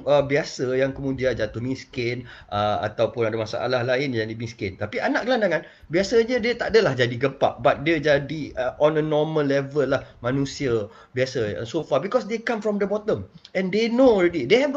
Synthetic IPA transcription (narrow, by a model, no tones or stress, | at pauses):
əbiasəjaŋkəmũdiad͡ʒat̪uhmĩskɪnəa̰t̪awpʊnadamasa̰ʔa̰lahlaɪnjãŋdimĩskɪnt̪apianaʔɡəlandaŋãn | biasəɲə̃diət̪a̰ʔdəlahd͡ʒadiɡəmpaʔ̚bat̪̚diəd͡ʒadiʔɔ̃nənɔmə̃lːɛvəlːahmãnũsiə | biasə̰nsofabikɔsdekamfɾɔmdəbɔt̪ə̃mɛ̃ndenoɔlɾɛdideɦɛvɡ